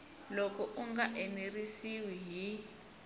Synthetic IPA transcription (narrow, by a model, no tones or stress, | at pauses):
lɔkɔʔuŋɡaʔɛnerisiwiɦi